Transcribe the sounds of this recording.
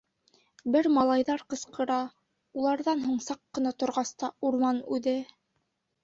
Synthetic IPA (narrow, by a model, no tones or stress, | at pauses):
bɘɾmɑlˠɑjðɑɾqɤ̆sqɤ̆ɾɑ | ulˠɑɾðɑnɦuɴsɑqːɤ̆nɑt̪ŏɾʁɑst̪ɑuɾmɑnʉðɘ